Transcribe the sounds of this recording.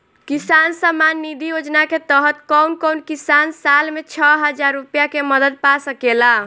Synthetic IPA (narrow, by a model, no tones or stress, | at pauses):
kisansamanːid̪ʱijod͡ʒnaket̪əɦət̪kəwnkəʊnkisansalmet͡ʃʰəɦəd͡ʒaɾːupjakeməd̪əd̪̚pasəkela